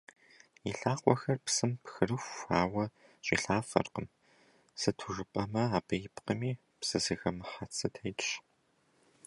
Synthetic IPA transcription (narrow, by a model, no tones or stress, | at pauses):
iɬaːqʷʼɔxɐrpsɨmpxɨrɨxʷaːwɐ | ɕʼḭːɬaːfɐ̰rqəm | sɨtʰuʒɨpʼɐmɐaːbɐjɪpqəmiː | psɨzɨɣɐmɨħat͡sʰʼɐtʰɐjtʼɕ